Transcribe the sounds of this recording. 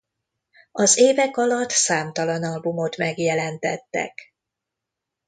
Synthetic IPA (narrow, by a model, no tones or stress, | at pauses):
ɒzeːvɛkɒlɒt̪ːsaːmt̪ɒlɒnɒlbumo̞t̪mɛɡjɛlɛnt̪ɛt̪ːɛ̰k